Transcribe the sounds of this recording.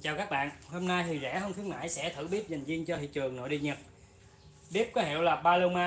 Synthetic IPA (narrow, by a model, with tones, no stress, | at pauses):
t͡ɕaː˨˩wkaː˦˥k̚ɓa̰ː˧˨nho˧mna˧jt̪ʰi˨˩zɛ̰˧˥hə˧ŋ͡m̪ʰi˨˦əŋna̰ː˧˨jsɛ̰˧˥t̪ʰɨ˧˩ɓi˦˥əp̚za˨˩ŋ̟zi˧əŋt͡ɕɔ˧t̪ʰḭ˧˨t͡ɕɨ˨˩əŋno̰˧˨jɗḭ˧ɲə˨˩t̚ | ɓi˦˥əp̚kɔ˨˦ɦḭ˧˨wlaː˨˩ɓaː˧lə˧wmaː˧